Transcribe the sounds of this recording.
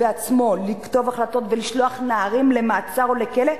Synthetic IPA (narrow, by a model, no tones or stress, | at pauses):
eat͡smo̞likto̞vaχlato̞tveliʃlo̞aχnaaʁimle̞maːt͡saʁo̞le̞kele